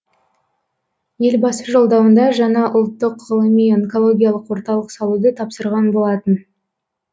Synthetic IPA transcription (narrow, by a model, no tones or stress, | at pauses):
je̞lbɑsəʒo̞lˠd̪ɑwənd̪ɑʒɑnɑʔʊlˠt̪ːəqːəlˠəmijeŋko̞lˠo̞ɡʲijalˠəqwo̞ɾt̪ɑlˠəqsɑlˠud̪ət̪ʰɑpsəɾʁɑnbo̞lˠɑt̪ən